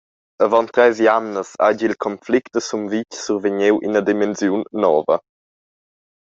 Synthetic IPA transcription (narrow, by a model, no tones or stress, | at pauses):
əvɔnt̪ɾɛziamnəsa̰ɟilkʰɔnflikt̚dəsumvit͡ʃsuɾveɲewʔḭnəd̪imɛnzjunːɔːvə̰